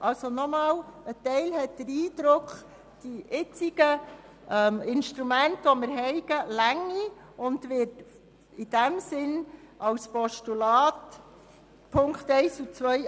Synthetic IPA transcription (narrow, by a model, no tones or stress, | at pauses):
ʔɑlsonɔmɑːlətɛɪlhɛt̚d̥əɾiːd̥ɾʊkχ | d̥iʔɪt͡siɡ̥ə | ɛmɪnʃtɾumæntʋoməɾɦɛɪɡ̥əlæŋːi | ʊndʋɪt | ɪd̥æmsɪnʔɑwspɔʃtulɑːt | pʰʊŋktɛɪsut͡sʋœj